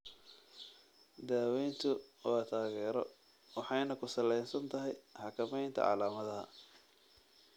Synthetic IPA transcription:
d̪aːwɛjnt̪ʰʊwaːt̪ʰaːɣɛːɾɔ̰ | wɑħɑjnɐkʰʊsɐlɛjnsɐnt̪ʰɐɦɛjħɑkʰɐmɛjnt̪ʰɐ̰ʕɑ̰laːmɐðɐɦɐ̰

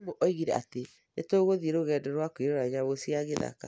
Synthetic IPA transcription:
moʔɔiɣiɾɛa̰te | netoːɣoðieɾoɣɛːdɛɾwakoiɾeɾaɲaβosiaɣeða̰ka̰

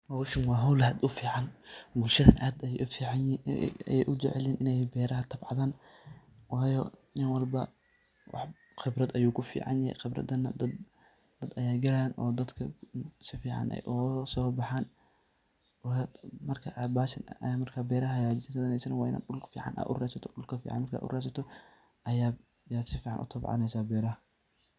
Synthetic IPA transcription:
hɔwʃɪnwɑːɦɐwlhɐd̪ʊfiːʕɑnbʊlʃɐðɐnʔaːd̪ɐjɛʔʊfiːʕɑnjɛjʔʊd͡ʒɛʕɛlɛːnɪnɛjbɛːɾɐɦɐt̪ʰɐbʕɑðaːn | wɑːjɔnɪnwɐlbɐ | wɑ̰ħ | xɪbrɐd̪ɐjuːkʰʊfḭːʕɑ̰njɐhɛ̰jxɪbrɐ̰d̪ɐnɐd̪ɐd̪ | d̪ɐd̪ɐjaːɡɐlaːnʔɔ̰ːd̪ɐd̪kʰɐsɪfiːʕɑ̰nʔɛ̰jʔʊsɔːbɑħaːn | wmɐrkʰɐʔabaːsɐnɐ̰ʔɐjaːmɐrkʰaːbɛːɾɐɦɐjaːd͡ʒɪsɪnt̪ʰɐðɐnɛjsɐnɐwaːɪna̰ʊlfiːʕɑ̰nʔa̰ːʔʊ̰rɛːsɐt̪ʰɔ̥ɗʊlkʰɐfḭːʕ̰nmɐrkʰa̰ːʔʊ̰rɛːsɐt̪ʰɔ | ʔɐjaː | jaːd̪sɪfiːʕɑ̰nʔʊ̰t̪ʰɐbʕɑ̰nɛjsaːbɛːɾɐɦɐ

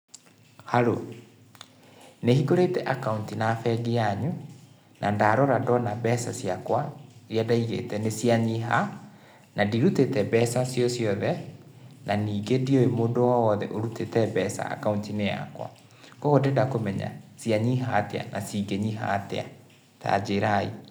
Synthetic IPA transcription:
haɾo | nehikoɾetɛʔakauntinafɛɡiaɲu | nʔandaɾɔɾadɔnabɛsasiakwaɾiadaiɣḛtɛnesjaɲiɦa | nadiɾutetɛbɛsasjɔsjɔðɛ | naniːɡedioemoːndowaɔðɛʔoɾutetɛbɛsa̰a̰kauntinea̰kwa̰ | kɔɣodendakomɛɲa̰siaɲiɦatɛa̰nʔasiɡeɲiɦa̰tɛ̰a̰ | ta̰d͡ʑeɾai

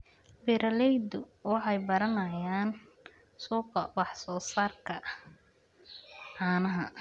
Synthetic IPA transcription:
bɪɾɐlɛjd̪ʊ | wɑħɑjbɐɾɐnɐjaːn | suːqɐwɑħsɔːsaːrkʰɐ | ʕɑːnɐɦɐ

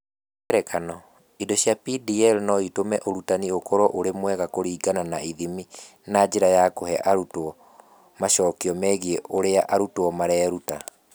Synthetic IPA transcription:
ɛɾɛkanɔ | idoɕjapidiɛlnɔitomɛʔoɾutaniokɔɾɔʔoɾemwɛɣakoɾiːɡananaiðimi | nad͡ʑeɾajakohɛʔaɾutwɔ | maʃɔːkiɔmɛɣieʔoɾeaʔaɾutwɔmaɾɛːɾuta

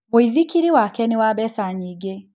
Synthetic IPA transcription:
woiðikiɾiwakɛniwabɛsaɲiɡe

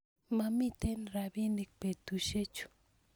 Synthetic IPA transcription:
mamit̪enɾaβinik̚pet̪uʃet͡ʃʊ̥

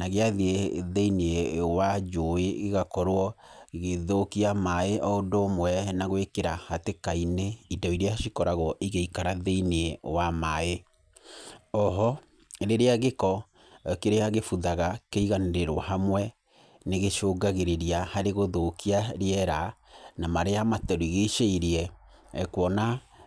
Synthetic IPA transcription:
naɣeaðieðeinewad͡ʒoeɣeɣakɔɾwɔɣeðokiamaeʔɔondoːmwɛnaɣowekeɾahatekaineidɔiɾeaʃikɔɾaɣɔʔiɣeikaɾaðeinewamae | ɔɦɔ | ɾeɾeaɣekɔ | keɾeaɣefuðaɣakeiɣaneɾeɾwahamwɛ | neɣeʃoːɡaɣeɾeɾiahaɾeɣoðokiaɾeɛɾanamaɾeamatɛɾoiɣeʃeiɾiɛ | kwɔna

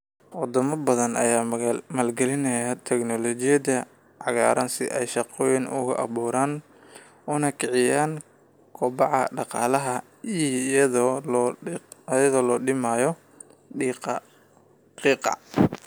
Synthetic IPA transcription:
wɑd̪ɔmɐbɐðɐnʔɐ̰jaːmaːlɡɛlɪnɐjat̪ʰɛknɔlɔt͡ʃɪjɐd̪ɐ | ʕɑɣa̰ːɾʔɐnsɪ̰ʔɛ̰jʃɑqɔːjɪnʔʊ̰ɣɐ̰ʔɑ̰βuːɾaːn | ʊnɐkʰɪʕɪjaːn | kʰɔːbɑʕɑ̰ɖɑqɑːlɐɦɐ | ið | jɐðɔːlɔːɖɪmaːjɔ | iːqɑ | qiːqɑ̰

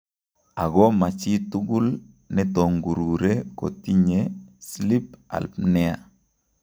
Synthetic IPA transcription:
aɡɔmat͡ʃituɡul | nɛtoŋɡuɾuɾeko̰tiɲeslip̚a̰lpnɛa̰

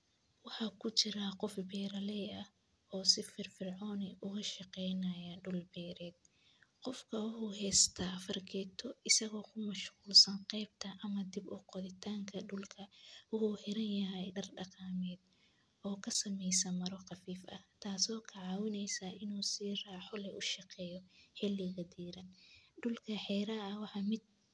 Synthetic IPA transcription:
wɑħɑkʰʊt͡ʃɪɾɐqɔfbɛːɾɐlɛjɐh | ɔːsɪfɪrfɪrʕɔːnɪʔʊɣɐʃɑqɛjnɐjɐɖʊlbɛːɾɛːd̪̚ | qɔfkʰɐwʊħʊːɦɛːst̪ʰaːfɐrɡʰɛːt̪ʰɔɪsɐɣɔːkʰʊmɐʃquːlsɐnqɛjb̚t̪ʰɐʔɐmɐd̪ɪbʊqɔðɪt̪ʰaːŋkʰɐɖʊlkʰɐwʊħuːhɪɾɐnjɐɦɛjɖɐrɖɑqɑːmɛːd̪ | ʔɔːkʰɐsɐmɛjsɐmɐɾɔqɑfiːfɐ̰ht̪ʰaːsɔːkʰɐʕɑːwɪnɛjsaʔɪnuːsiːraːħɔlɛʔʊʃɑqɛːjɔħɪlɪɣɐd̪iːɾɐnɖʊlkʰɐħɛːɾɐɐwɑħɑːmɪd̪̚

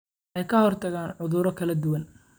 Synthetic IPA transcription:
ʔɛjkʰɐhɔrt̪ʰɐɣaːnʕʊðʊɾɔkʰɐlɐd̪ʊwɐn

